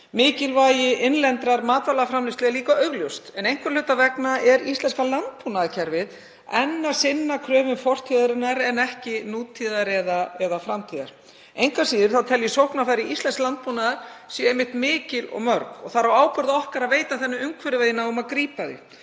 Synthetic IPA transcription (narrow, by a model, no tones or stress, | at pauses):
mɪːcɪlvaːjɪʔɪnlɛnt̪ɾaɾmaːt̪valaɣafɾamlɪst̪lɛɣaliːkaœɣljowst̪ɛnejŋ̥kvɛɾ̥lʏt̪avɛknaɛɾist̪lɛnskalant̪̚punaðacʰɛɾvɪð | ɛnːḁsɪnːakʰɾœːvʏnfɔr̥t̪ʰiðaɾɪnaɾɛnɛhcɪnuːt̪ʰiːðaɾɛðaɛðafɾamt̪ʰiːða̰ɾ̥ | ejŋkvasiːðɪɾ̥θawt̪ʰɛljʏsowhknafaɾɪist̪lɛnsklant̪̚punaðaɾ̥sjɛejmɪht̪mɪːcɪlɔ̰ɣmœɾkɔɣθaɾawaːwpœɾðaɔhkaɾaðveːjt̪aθɛnːʏʏŋkʰvɛɾɪveːjðɪnaʏmaðkɾiːpaðɪ̰